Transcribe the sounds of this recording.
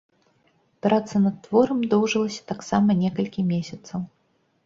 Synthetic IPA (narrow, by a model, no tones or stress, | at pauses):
pɾat̪sɐnɐt̪ːvɔɾɐmd̪ɔwʐɨlˠɐsʲɐ̥t̪aksamɐnʲɛkɐlʲkʲimʲesʲɐt̪sɐw